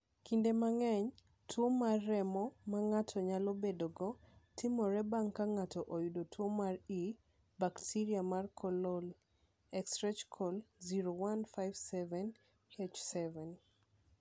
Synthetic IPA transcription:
kindemaŋɛɲ | tʰwomarːɛmɔmaŋatʰɔɲalɔbedoɡɔtɪmɔɾɛbaŋkaŋatɔʔojudotʰwomari | baktʰiɾiamarkʰɔlol | ɛkstɾɛt͡ʃkʰɔlziɾowanfajvsɛvɛn | et͡ʃsɛvɛn

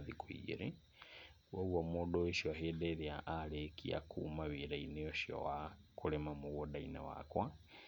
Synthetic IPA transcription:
ðikuḭɾi | wauwamɔɗɔiʃɔɦɛɗɛðiaʔalɛkʰḭa̰kʰumawiɾainɛɔʃjɔ̰wakulɛmamuwɔɗainawa̰kwa

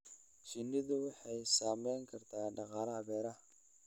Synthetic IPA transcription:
ʃɪnːɪðʊwɑħɑjsaːmɛjŋkʰɐrt̪ʰaːɖɑqɑːɾɐɐβɛːɾɐ

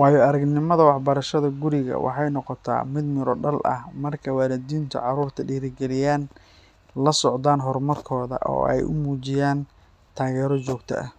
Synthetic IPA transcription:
wɑːjɔɐɾɐɡnɪmɐðɐwɑħbɐɾɐʃɐðɐɡʊɾɪɣɐ̰wɑ̰ħɑjnɔqɔt̪ʰa̰ːmɪd̪mɪɾɔɖɐlʔɐ̰hmɐrkʰɐwaːlɛd̪iːnt̪ʰʊ̰ʕɑɾuːrt̪ʰɐɖiːɾɪɡɛlɪjaːn | lɐsɔʕd̪aːnɦɔrmɐrkʰɔːðɐ̰ʔɔ̰ːɛ̰jʔʊ̰muːt͡ʃɪjaːn | t̪ʰaːɣɛːɾɔt͡ʃɔːɡt̪ʰɐ̰ʔɐ̰

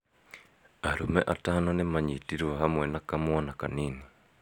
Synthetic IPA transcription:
aɾumɛʔataːnonemaɲitiɾwaɦamwɛnakamwɔnakaniːni

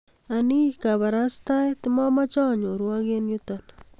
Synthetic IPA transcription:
anikaβaɾast̪ajt̪ɪmɔmat͡ʃɔɲoɾwakenjut̪ɔn

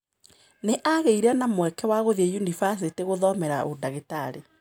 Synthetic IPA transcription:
neʔaɣeiɾanamwɛkɛwaɣoðiejunifas̬eteɣoðɔmɛɾaʔodaɣetaɾḛ

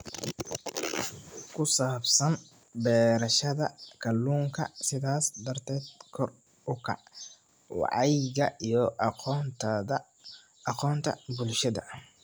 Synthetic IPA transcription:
kʰʊsaːbsɐn | bɛːɾɐʃɐðɐkʰɐlːuːŋkʰɐ̰sɪðaːsd̪ɐrt̪ʰɛːd̪̚kʰɔr | ʊkʰɐ̰ʕ | wɑ̰ʕɑjɣɐijɔt̪ʰ | ɑqɔːnt̪ʰɐ̰bʊlʃɐðɐ̰

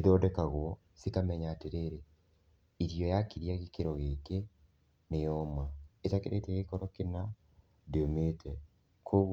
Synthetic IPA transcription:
iðɔːdɛkaɣwɔ | sikamɛɲaːteɾeɾe | iɾijɔjakiɾiaɣekeɾɔɣeke | nejɔmaetakḛɾʔḛteɣekɔɾɔkena | deometʰɛ | kʰo

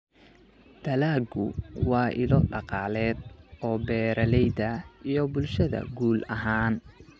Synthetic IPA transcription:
d̪̥ʰɐlaːɡʊwɑːʔɪ̰lɔɖɑqɑːlɛːd̪̚ɔːbɛːɾɐlɛjd̪ɐijɞbʊlʃɐðɐ̰ɡuːlɐɦaːn

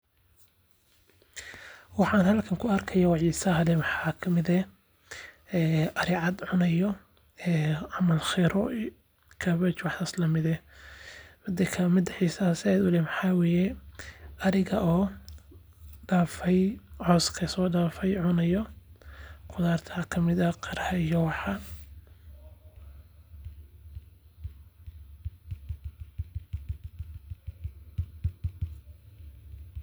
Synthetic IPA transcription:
wɑħɑːnhɐlkʰɐŋkʰʊɐrkʰɐjaːwɑʕiːsɐɦɐlɛmħɑːkʰɐmɪd̪ɛ | ɛːʔɐɾɪʕɑd̪ʕʊnɐjɔ | ɛːʕɑmɐlxɛɾɔ | kʰɐβɛt͡ʃwɑħaːslɐmɪðɛ | mɪd̪ɐkʰɐmɪd̪ɐʕiːsɐhɐsɪɛjd̪ʊlɛmɑħɑːwɛːjɛ | ʔɐɾɪɣɐʔɔː | ɖaːfɛjʕɔːskʰɐsɔːɖaːfɛjʕʊnɐjɔ | qʰʊðaːrt̪ʰɐkʰɐmɪðɐqɑɾhɐijɔwɑħɑ

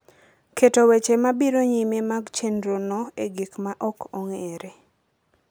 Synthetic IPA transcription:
ketowet͡ʃemabiɾoɲimemaɡt͡ʃendɾonɔeɡikmaʔɔkoŋeɾe

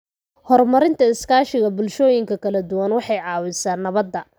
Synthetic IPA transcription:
hɔrmɐɾɪnt̪ʰɐɪskʰaːʃɪɣɐbʊlʃɔːjɪŋkʰɐkʰɐlɐd̪ʊwɐnwɑħɑjʕɑːwɪsaːnːɐβɐd̪ːɐ

